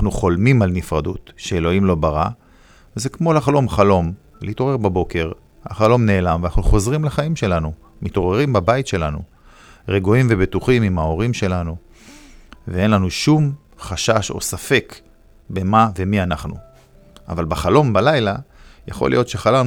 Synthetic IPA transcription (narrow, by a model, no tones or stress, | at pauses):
nanuχo̞lmimalnifʁadutʃeelo̞imlo̞baʁa | vezekmo̞laχlo̞mχalo̞m | lḛito̞ʁe̞ʁbabo̞ke̞ʁ | ha̰χalo̞mne̞ːlamvanaχnuχo̞zʁimlaχaimʃe̞lanu | mito̞ʁeʁimbabaitʃe̞lanṵ | ʁeɡuimve̞betuχimimhao̞ʁimʃe̞lanu | vee̞nlanuʃum | χaʃaʃo̞̰safe̞k | be̞mave̞mianaχnṵ | ʔa̰valbaχalo̞mbalajlajaχo̞̰lʔḭjo̞t̪ʃeχalam